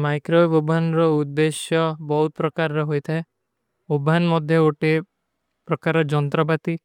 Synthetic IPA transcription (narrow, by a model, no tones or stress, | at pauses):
majkɾobobʱanɾɔud̪ːeʃjɔbɔɦut̪̚pɾɔkaɾːɔɦojt̪ʰɛ | obʱanmɔd̪ʱjɔoʈe | pɾɔkaɾɔd͡ʒɔnt̪ɾɔbat̪i